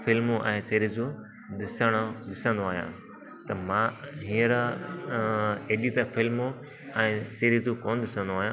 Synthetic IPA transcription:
fɪlmõʔɛ̃ːsiːɾizũ | ɗ̪ɪsəɽ̃oɗɪsə̃nd̪oaːɦijã̰ː | t̪ɐmãːɦĩːəɾ | eːɗit̪əfɪlmo | ɛ̃ːsiːɾizũkoːnɗ̪ɪsə̃nd̪oaːɦjã

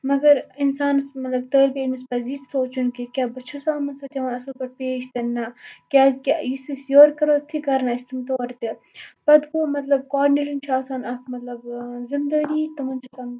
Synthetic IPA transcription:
mɐɡɐɾɪnsaːnsmɐt̪lɐb̚t̪əːɾbimispɐzitsoːt͡ʃunkikʲabɐt͡ʃʰosaːmɐnsɐːt̪ʲɐʋaːnɐsɐlpɐɾpeːʃt̪ɐnːakʲaːzkʲejisisjoːɾkɐɾoːt̪ʰikɐɾnaɪst̪imt̪oːɾt̪e | pɐd̪koːmɐt̪lɐb̚kaːɾnelʲint͡ʃʰaːsaːnɐkmɐt̪lɐbzɪnd̪ɐɡiːt̪ɐmɐnt͡ʃʰosɐːn

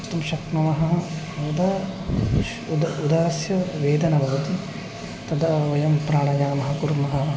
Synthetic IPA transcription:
t̪ɐmʃɐknɐmɐɦɐɦɐ | ud̪a | ud̪aːɐsjɐʋeːd̪ɐnɐbʱɐʋɐt̪i | t̪ɐd̪ɐɐjɐmpɾaːɽɐd͡ʒaːnɐmɐɦɐkuɾmɐɦɐ̆

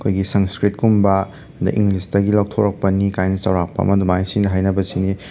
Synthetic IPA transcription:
kʰojɡisɐŋskɾit̚kumbɐ | dɐ̰ʔiŋɡlistɐɡilaw̚tʰoɾɐk̚pɐnikajnɐt͡ʃɐwɾak̚pɐ̰ɐ̰mɐdumajsinɐɦajnɐbɐsini

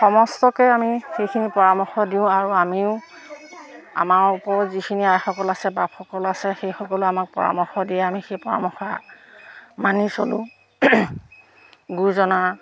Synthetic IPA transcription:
xɔmɔstɔkɛamixejkʰinipɔɹamɔxɔdiʊ̃aɹuamiʊ | a̰maɹupɔɹzikʰiniajxɔkɔlasɛbapxɔkɔlasɛxejxɔkɔlʊamak̚pɔ̰ɹa̰mɔxɔdiɛamixejpɔɹa̰mɔxa | manisolʊ̃ | ɡuzɔna

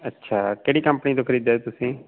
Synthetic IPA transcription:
ətːʃʰaːkeːɽiːkəmpniːt̪oːkʰəɾiːd̪ɛt̪ʊsĩː

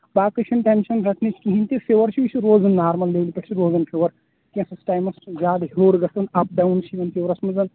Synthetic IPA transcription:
baːkɨt͡ʃʰɐnʈemnʃɐnɾɐk̪ʰnit͡ʃʰkʲiɦinʲt̪ifeːʋɐɾt͡ʃʰiʋit͡ʃʰiɾoːzɐnːaːɾmɐlːeːʋlipʲɐʈʰt͡ʃʰiɾoːzɐnfʰeʋɐɾ | k̪ʲĩsɐsʈaːjmɐsʰzʲaːd̪ɦoːɽɡɐst̪ɐnɐp̚ɖɐːwnt͡ʃʰiʋʲɐnpʰeʋɾɐsmɐzɐn

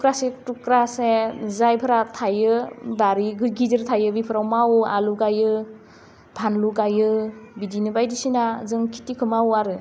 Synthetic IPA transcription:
kɾasetukɾasezajpʰɯɾatʰajɯbaɾiɡɯɡizɯɾtʰajɯbipʰɯɾawmawa̰luɡajɯ | pʰanluɡajɯbidinɯbajdisinazɯŋkʰi̥tikʰɯmawaɾɯ

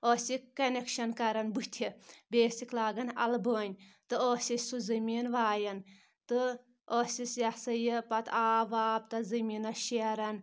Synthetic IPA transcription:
oːsikːɐnekʃɐnkɐɾɐnbut̪ʲʰibʲeːsiklaːɡɐnɐ̰lbəːnʲt̪ɨoːsʲisʲsuzɐmiːnʋaːjɐn | t̪ɨ | oːsʲisjɐsɐjipɐt̪ʰaːʋaːb̚t̪ɐzɐmiːnɐʃeɾɐn

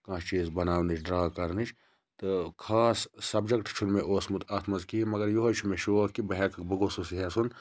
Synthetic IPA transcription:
kãːʃt͡ʃiːzbɐnaːwnit͡ʃʰɖɾaːkɐɾnit͡ʃʰ | t̪ɨkʰaːsːɐbd͡ʒɐkʈt͡ʃʰunmeʔoːsmut̪aːt̪ʰmɐzkiɦimɐɡɐɾjoɦot͡ʃʰumeʃokibɐɦekɐbɐɡosusiɦesun

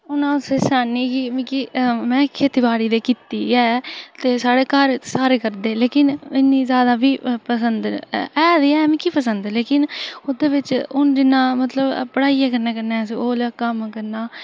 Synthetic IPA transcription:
ʊnãːʊseːsaːniːkɪmĩkimɛ̃ːkʰeːt̪ɪbaːɽiːd̪eːkiːt̪ḭːɛːt̪eːsaːɽeːkaːɾsaːɾeːkəɾd̪eːleːkɪnɪnːĩːzjaːd̪aːbiːpəsənd̪ɛːd̪iːɛːmĩːkiːpəsənd̪leːkɪnod̪eːʋɪt͡ʃʊnd͡ʒɪnːãːmət̪ləbpəɽaːijaːk̬əɾneːkəɾnẽːsoːləːkəmkəɾnãː

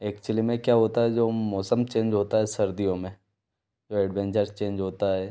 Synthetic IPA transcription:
eːk̚t͡ʃuəlimẽkjaːɦoːt̪aɦɛd͡ʒoːmɔːsəmt͡ʃẽːnd͡ʒɦoːt̪aɦɛsɐɾd̪ijõmẽ | d͡ʒoːɛːɖʋẽːnt͡ʃəɾzt͡ʃẽːɲd͡ʒɦoːt̪aɦɛː

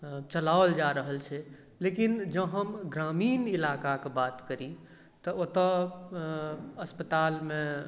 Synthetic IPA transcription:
t͡ʃəlald͡ʒaɾəɦəlt͡ʃʰɛ | lekind͡ʒəɦəmɡɾaminilakakebat̪kəɾi | t̪ɔot̪ə | əspət̪alme

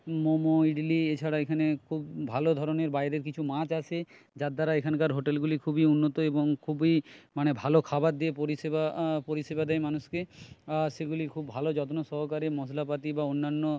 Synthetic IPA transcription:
momoiɖiliet͡ɕʰaɽaekʰanekʰubbʱalod̪ʱɔɾoneɾbaed̪eɾkit͡ɕʰumãt͡ɕat͡ɕʰe | d͡ʑad̪aɾaekʰankaɾɦoʈelɡulikʰubiunːot̪oeboŋkʰubimanebʱalokʰabat̪̚d̪iepoɾisebapoɾiʃebad̪ɛjmanuʃkeaʃeɡulikʰubːʱalod͡ʑɔt̪onoʃɔɦokaɾemɔslapat̪ibaonːanːo

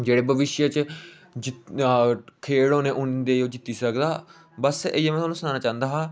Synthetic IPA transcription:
d͡ʒeːɽeːbəʋɪʃjət͡ʃ | d͡ʒɪ | kʰeːɽoːnẽːʔʊnid̪eːoːd͡ʒɪt̪ːiːsəkd̪aː | bəseemɛ̃t̪ʰoːnũːsənãːnaːt͡ʃãːnd̪aːɦãː

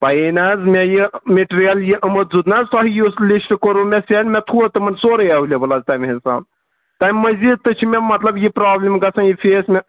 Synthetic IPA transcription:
pɐinazmejimeʈɾijɐljiʔɐmɐt̪̚zud̪nazt̪ɔɦijuslisʈkoɾumesenmet̪ʰuət̪ɨmɐnsoːɾɐjaɦulebɐlazt̪aːmɦinsa̰ːn | t̪aːmʲməzid̪̚t̪ːɨt͡ʃʰimemɐt̪lɐbjipɾaːblimɡɐsɐ̃njifʰeːsme

